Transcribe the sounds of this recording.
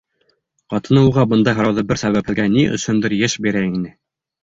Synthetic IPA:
qɑt̪ɤ̆nɤ̆wʁɑbɤ̆nd̪ɑɦɤ̆ɾɑwðɤbɘɾsæβæphɘ̆ðɡæniʔɵ̰̆sɵ̆nd̪ɘɾjɘʃbiɾæinɘ

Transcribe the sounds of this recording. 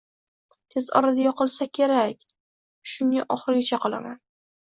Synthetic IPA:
t̪ʰezɒ̰ɾad̪ajɒqɨlˠsakʲʰe̞ɾakʲ | ʃʊnɪaʔɒχɾɪɡʲɪt͡ʃʰaqʰɒlˠa̰man

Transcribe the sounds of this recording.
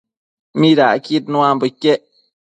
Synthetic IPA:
miɾakit̪̚nũambəkːeʔ

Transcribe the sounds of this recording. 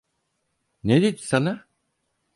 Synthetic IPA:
ned̪id̪i̥sana

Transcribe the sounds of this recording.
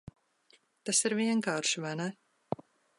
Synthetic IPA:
t̪asiɾviɛŋkaːɾʃivana

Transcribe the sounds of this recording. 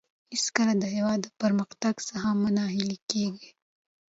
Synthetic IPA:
hɪskəlad̪əɦewɑd̪ːəpəɾməxt̪aɡsaɦamənɑɦilikeɡi

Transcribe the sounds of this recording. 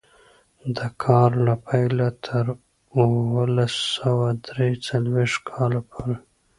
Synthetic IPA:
d̪əkʰɑɾlapʰajlat̪ʰəɾ | uwəlasəwad̪ɾet͡salweʂt̪kʰɑlapʰoɾe

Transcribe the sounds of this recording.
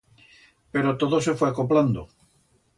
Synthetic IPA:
peɾot̪oðosefweakopland̪o

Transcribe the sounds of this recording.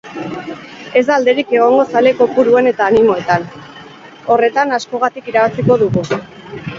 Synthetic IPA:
e̞zd̪aːld̪e̞ɾike̞ɣ̞o̞ŋɡo̞sale̞ko̞puɾue̞ne̞t̪aːnimo̞e̞t̪an | o̞re̞t̪anasko̞ɣat̪ikiɾaβasiko̞ðuɣu

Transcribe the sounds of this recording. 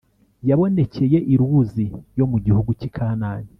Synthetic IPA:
jaβo̞ne̞ce̞je̞ʔiɾuzijo̞muɟihuɡucikʰaːnaːni

